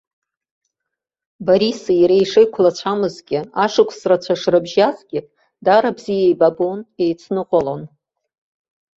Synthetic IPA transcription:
baɾisaiɾejʂejkʷʰlat͡ɕʷʰamɨzɡʲɪaʂɨkʷʰʼsrat͡ɕʷʰaʂrɨbʒazɡʲɪpʼ | daɾabzijejbabone̞jt͡sʰnɨqʼolon

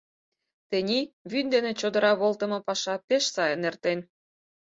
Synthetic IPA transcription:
t̪enʲiβynd̪enet͡ɕod̪ə̆ɾɑβolt̪ə̆mɤ̆pɑʃɑpeʃsɑjə̆nert̪en

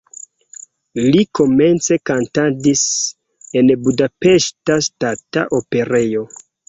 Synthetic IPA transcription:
liko̞me̞nt͡se̞kantadis | e̞nbudape̞ʃtastata̰ʔope̞ɾe̞jo̞

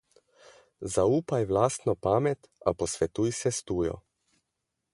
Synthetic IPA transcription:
zauːpajʋlaːst̪nɔpaːmɛt̪a̰pɔsʋɛt̪uːjsɛst̪uːjɔ̰

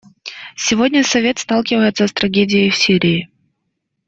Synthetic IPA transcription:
sʲɪvodʲnʲəsɐvʲe̞t̪st̪ɑlˠkʲɪvəjɪt̪səst̪ɾɐɡʲedʲɪjəjfsʲiɾʲɪː

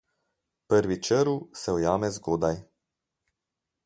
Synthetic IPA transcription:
pəɾʋit͡ʃəɾusɛɔjaːmɛzɡoːd̪aj

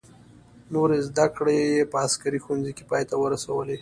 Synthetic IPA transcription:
noɾezd̪akɽejepəaskaɾixunzike̥pɑjt̪awəɾasawəle

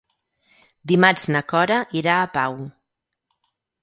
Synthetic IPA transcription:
d̪imaznəkɔɾəʔiɾaːpaw

